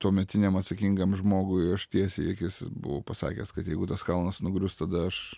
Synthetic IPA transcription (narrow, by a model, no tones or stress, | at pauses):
t̪uɔmʲɛt̪ʲɪnʲemɐt̪sɐkʲiŋɡɐmʒmoːɡʊɪɐʃt̪ʲiɛsʲejɛkʲɪsbʊ̰ʋoːpɐsɑ̰ːkʲɛ̰skɐt̪jɛɪɡʊt̪ɐskɐlˠnɐsnʊɡɾʲʊst̪ɐd̪ɐɐʃ